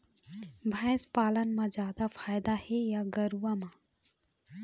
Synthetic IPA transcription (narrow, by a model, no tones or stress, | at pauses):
bʱə̃ɪspaːlənmãd͡ʒjaːd̪afʰaːjd̪ahejaɡəɾuamã